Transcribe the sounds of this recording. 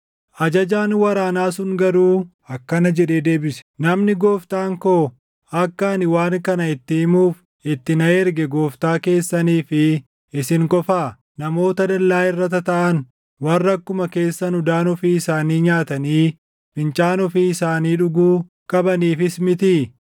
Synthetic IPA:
ʔɐd͡ʒɐd͡ʒaːnwɐɾaːnaːsʊŋɡɐɾuː | ɐkːɐnɐd͡ʒɛᶑeːd̪e̞ːbɪsɛ̥nɐmnɪɡoːft̪aːŋkoː | ɐkːɐnɪwaːŋkɐnɐɪt̪ːɪɪmuːf | ɪt̪ːɪnɐɛɾɡɛɡo̞ːft̪aːke̞ːsːɐniːfɪ | ɪsɪŋkʼɔfaː | nɐmo̞ːt̪ɐd̪ɐlːaːɪrːɐt̪ɐt̪ɐʔɐn | wɐrːɐkːʊmɐke̞ːsːɐnʊd̪aːnɔfiːɪsaːniːɲaːt̪ɐniː | fɪnt͡ʃʼaːnɔfiːɪsaːniːᶑʊɡuː | kʼɐbɐniːfɪsmɪt̪i

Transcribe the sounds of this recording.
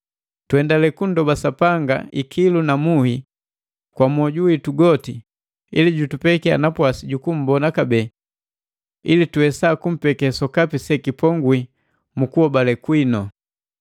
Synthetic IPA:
twɛndalɛkundɔbasapaŋɡa̰ikʰilunamuhi | kwamɔɟuwituɡɔti | iliɟutupɛkia̰napwasiɟukum̩bɔnakabɛ | ilituɛsakum̩pɛkɛsɔkapisɛkipɔŋɡwi | mukuɔbalɛkwinɔ

